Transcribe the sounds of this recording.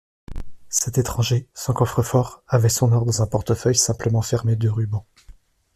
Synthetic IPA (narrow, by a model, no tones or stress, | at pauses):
sɛt̪et̪χɑ̃ʒesɑ̃kɔfχəfɔʁavɛsɔ̃nɔʁd̪ɑ̃zɛ̃pɔʁt̪əfœjsɛ̃pləmɑ̃fɛʁmed̪əʁybɑ̃